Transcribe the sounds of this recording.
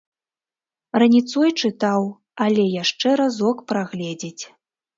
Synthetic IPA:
rɐnʲit̪sɔjt͡ʂɨt̪aw | alʲɛjaʂt͡ʂɛɾazɔkpɾaɣlʲɛd͡zʲit͡sʲ

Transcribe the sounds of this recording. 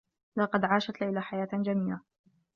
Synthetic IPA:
lɑqɑd̪ʕaːʃat̪lajlaħajaːt̪d͡ʒamiːla

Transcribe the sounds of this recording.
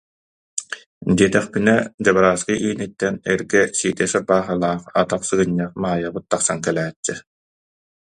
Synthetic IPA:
d̪iɛt̪ɛχpinɛd͡ʑabaɾaːskɯʔiːnit̪ːɛnɛɾɡɛsiːt̪ɛsabaːχɯlˠaːχat̪aχsɯɡɯɲːɛχmaːjabɯt̪̚ːaχsaŋkɛlæːt͡ɕːɛ

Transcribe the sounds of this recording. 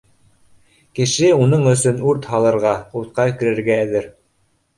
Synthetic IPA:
kɘ̆ʃɘunɤɴɵ̆sɵnʉɾt̪hɑlˠɤ̆ɾʁɑuɾt̪̚qɑkɘ̆ɾɘ̆ɾɡæːðɘɾ

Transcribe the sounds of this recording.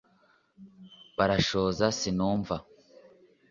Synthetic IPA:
baɾaʃoːzasinuːɱva

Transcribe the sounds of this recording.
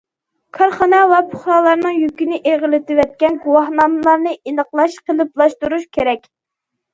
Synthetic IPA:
kʰɑɾχɑnɛwɛpʰʊχɾɑːlˠɑɾnɨŋjykʲinɪʔeʁɪlɪt̪ɪwɛt̪̚kʲɛnɡuwɑhnɑmɨlˠɑɾnɨenəqlˠɑʃqʰəlˠɨplˠɑʃt̪uɾuʃkʲʰeɾɛkʲ

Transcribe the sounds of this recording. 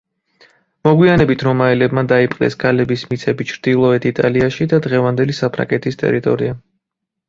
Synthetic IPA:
mɔɡwianɛbit̪ʰɾɔmaɛlɛbmad̪aipʼqʼd̪ɛ̰skʰalɛbismit̪sʰɛbit͡ʃʰɾd̪̥ilˠɔɛt̪ʰit̪ʼaliaʃid̪ad̪ʁɛvand̪ɛlisapʰɾa̰ŋɡɛt̪ʰist̪ʼɛ̰ɾit̪ʼɔɾia

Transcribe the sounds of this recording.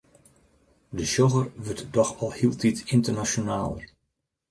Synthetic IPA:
dəʃoɣərʋøtdɔxɔlˠhiəlˠtʰitɪntərnasjonaːlˠə̰r

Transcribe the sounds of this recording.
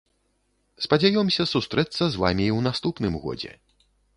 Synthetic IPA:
spɐd͡zʲajɔmsʲɐsust̪ɾɛt̪sːɐzva̰mʲiwnast̪upnɨmɣɔ̰d͡zʲɛ̰

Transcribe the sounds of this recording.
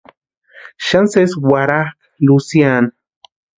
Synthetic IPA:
ʃanseswaɾak | lusjan

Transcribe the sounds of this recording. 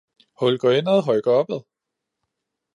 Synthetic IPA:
hɔ̽lɡ̥ɒenəð̩ˠɦɒɪɡ̥ɐɒ̽b̥əðˠ

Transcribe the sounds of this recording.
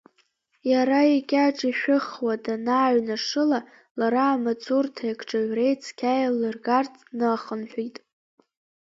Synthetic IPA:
jaɾajikʲʼaʈ͡ʂʼiʃʷᶣɨχwadanaːɥnaʂɨla | laɾaːmat͡sʰʼurtʰajkʰʼʈ͡ʂʼaɥʷre̞jt͡sʰkʲʰajlɨrɡart͡sʰʼnɨχənħʷitʼ

